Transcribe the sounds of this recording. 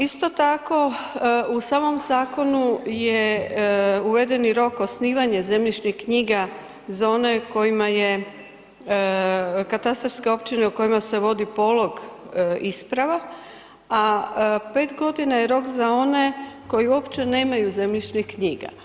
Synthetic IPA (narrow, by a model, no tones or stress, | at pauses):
ist̪o̞t̪ako̞usaːmo̞mzaːko̞nuje | uʋe̞d̪e̞niɾo̞ko̞sniːʋaɲe̞ze̞mʎit͡ʃnihkɲiːɡa | zao̞ne̞ko̞jimaje̞ | kat̪ast̪ɾoɾskeo̞pt͡ʃine̞uko̞imase̞ʋo̞d̪ipo̞lˠo̞ɡispɾaʋa | ape̞ːt̪ɡo̞d̪inajeɾo̞kzao̞ne̞ko̞jiuo̞pt͡ʃe̞ne̞ːmajuze̞mʎit͡ʃnihkɲiːɡa̰